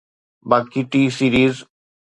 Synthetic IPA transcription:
baːkiʈisiːɾiːz

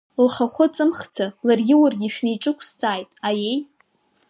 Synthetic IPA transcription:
lχaχʷʊt͡sʼɨmχd͡zʰalarɡʲɪwarɡʲiʃᶣnijʈ͡ʂʼɨkʷʰst͡sʼaːjtʼajej

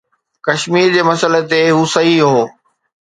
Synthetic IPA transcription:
kɐʃmiːɾd͡ʑeːmɐsəlet̪eɦuːsɐɦiɦoː

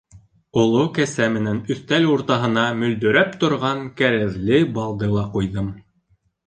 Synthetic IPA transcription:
ŏlˠokæsæmɘ̆nænɵ̆θt̪æluɾt̪ɑɦɤ̆nɑmɵ̆ld̪ɵ̆ɾæpt̪ŏɾʁɑŋkæɾæðlɘbɑlˠd̪ɤlˠɑqujðɤm

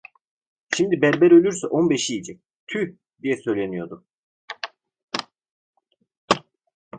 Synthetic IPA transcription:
ʃimd̪ibæɾbɛɾølʲyɾsɛʔo̞nbeʃijid͡ʒɛc̚ | t̪ʰy | d̪ijɛsø̞jlʲenijo̞d̪u

